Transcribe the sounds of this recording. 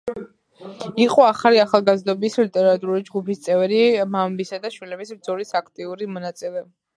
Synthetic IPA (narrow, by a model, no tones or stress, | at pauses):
iqʼɔaχaliaχalˠɡazd̪ɔbislit̪ʼɛɾat̪ʼuɾulid͡ʒɡupʰist̪sʼɛvɾimambisad̪aʃwilɛbisbd̪zɔɾisakʰt̪ʼiuɾimɔnat̪sʼilɛ